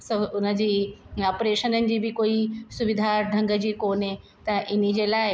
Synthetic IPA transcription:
sɐʊnə̆d͡ʑiːɔːpɾeːʃənənɪ̆d͡ʑiːbɪkoːisʊʋɪd̪ʱaɖʱɐ̃ŋɡəd͡ʑiːkoːne | t̪ɐʔɪnid͡ʑeːlaːɪ

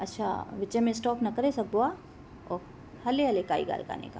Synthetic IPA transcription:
ɐtːʃʰa̰ʋɪt͡ʃemẽsʈɔːpnɐkɐɾesɐbːoa | ɔː | hɐleɦɐlekaːḭɡa̰ːɾka̰ːnḛka̰ː

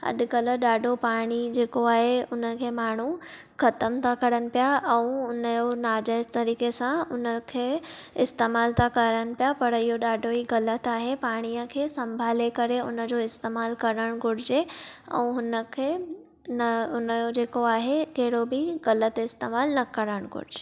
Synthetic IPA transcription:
ɐ̰ɗ̪kələɗaːɖʱopaːɽ̃id͡ʑeːkoaːɦeʊnəkʰeːmaːɳ̤u | xɐt̪əmt̪ʰakɐɾəñɪ̆pijaʔɛ̃ũʊnəjonaːd͡ʑaːɪzt̪ɐɾiːkesãʊnəkʰeːɪst̪eːmaːlt̪ʰakɐɾəñɪ̆pijapɐɾɪɦoɗaːɖʱoiɡɐlət̪aːɦepaːɽ̃ijə̃kʰeːsɐ̃mbʱaːlekɐɾeʊnəd͡ʑoɪst̪eːmaːlkɐɾəɽ̃ɡʱʊɽ̤d͡ʑeɛ̰̃ũɦʊnəkʰe | nʊnjod͡ʑeːkoaːɦekeɦɪɽobʱiɡɐlət̪ɪst̪eːmaːlnɐkɐɾəɽ̃ɡʱʊ̰ɽ̤d͡ʑeː

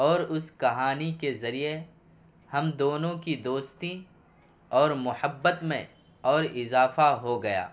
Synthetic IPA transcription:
ɔːɾʊskɐɦaːnikezɐɾie | hɐmd̪oːnõkid̪oːst̪ĩ | ɔːɾmʊhəbːət̪mḛ̃ | ɔːɾɪzaːfaɦoɡɐja̰ː

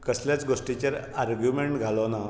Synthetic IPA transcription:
kəsljat͡sɡoʂʈit͡ɕaɾ | aɾɡjumeɳʈɡʱalona

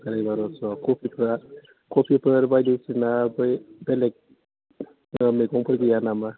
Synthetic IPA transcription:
kaɾajbaɾɔsɔkɔpʰipʰɾa | kopʰipʰɯɾbajdisinabɯjbelek̚ | meɡɔŋpʰɯɾɡijanama

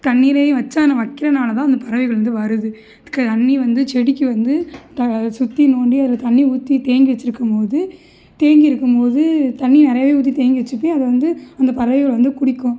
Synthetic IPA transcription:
t̪ɐɳːiɾɐj̃ʋɐt͡ʃːaːnɐʋɐkːɪɾɐnaːlɐt̪ãːɐnd̪ɐpɐɾɐʋɪɣɐɭʋɐnd̪ɯʋɐɾɯðɯ | ɐðɯkːɯt̪ɐɳːiʋɐnd̪ɯt͡ʃɛɽɪkːɯʋɐnd̪ɯt̪ɐsʊt̪ːinoːɳɖiɐðlɐt̪ɐɳːiuːt̪ːit̪eːŋɡiʋɐt͡ʃːɪɾɯkːɯmpoːðɯ | t̪eːŋɡɪɾɯkːɯmpoːðɯt̪ɐɳːinɪɾɐjɐʋeːuːt̪̬ːit̪eːŋɡɪʋɐt͡ʃːɯpːẽɐðɐʋɐnd̪ɯɐnd̪ɐpɐɾɐʋɪɣɐɭʋɐnd̪ɯkʊɽɪkːʊ̃

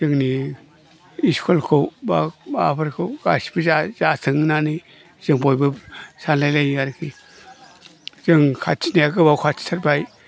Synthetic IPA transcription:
z̥ɯŋni | iskʰɔlkʰowbabapʰaɾkʰɯwɡ̥asbizazatʰɯŋnani | z̥ɯŋbɔjbɯsanlajlajaɾkʰi | z̥ɯŋkʰat͡ʃʰinaaɡɯbawkʰat͡ʃʰi̥tʰaɾbaj

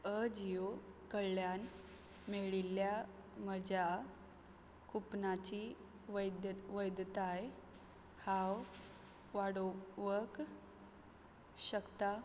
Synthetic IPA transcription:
əd͡ʑijokəɭːjan | meɭilja | məd͡ʑa | kʰupnat͡ɕi | d̪ʋəjd̪t̪aj | hãw | ʋaɽoʋək | ɕəkt̪a

